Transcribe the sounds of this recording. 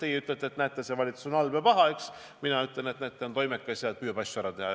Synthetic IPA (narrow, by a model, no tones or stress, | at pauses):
t̪ejeyt̪ːˑlet̪ːˑe̞t̪næt̪ːˑesevɑlʲit̪susnɑlbepɑɦɑeks | minɑyt̪lenet̪næt̪ːˑeont̪o̞jmekːɑjseɑt̪̚pyːjɑb̥ɑsːuæɾɑt̪e̞hɑ